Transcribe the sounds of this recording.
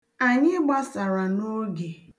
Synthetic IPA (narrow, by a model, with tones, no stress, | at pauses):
a˨ɲɪ˦ɡ͡ba˦sa˨ɾa˨no˦ɡe˨